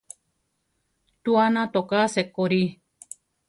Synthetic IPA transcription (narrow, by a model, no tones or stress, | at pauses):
t̪uanãt̪okasekoɾi